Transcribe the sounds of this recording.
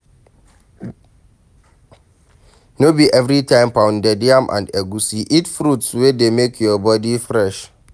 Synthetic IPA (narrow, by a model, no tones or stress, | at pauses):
nobiʔɛvɾitʰãɪ̃mpãʊ̃ndɛdiãmʔã̰ndɛɡusiʔitfɾutswedemekʰjɔbɔdifɹɛʃ